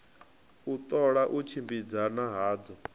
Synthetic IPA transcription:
ut̪ʼɔɺaʔut͡ʃʰimbid͡zanaɦaːd͡zɔ

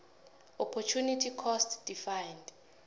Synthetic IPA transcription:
ɔpʰɔt͡ʃʰunitʰikʰɔstd̥ifajnd

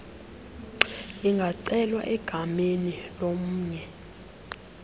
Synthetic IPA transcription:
iŋɡʱaǀɛlwa̰ʔɛɡ̥ʱamenilomuːɲɛ

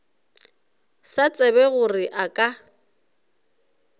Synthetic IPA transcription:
sat͡sʼɛβɛɣʊrɪʔakʼa

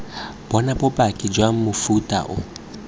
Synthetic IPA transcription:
b̥ɔnabɔbʼakʼɪd͡ʒwaŋ̩mʊfutʼa̰ʔʊ̰

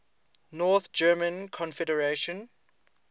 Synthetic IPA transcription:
nɔˑθd͡ʒɜːmə̃nkʰɔ̃nfɛdəɹeʃɔ̃n

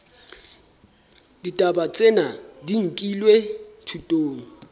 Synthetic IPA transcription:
ditʼaɓat͡sʼɛnadiŋ̩kʼilwɛtʰutʼoːŋ̩

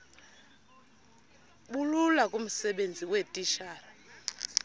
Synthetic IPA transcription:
ɓululakʼum̩sɛɓend͡zʱiwetʼiʃaːra

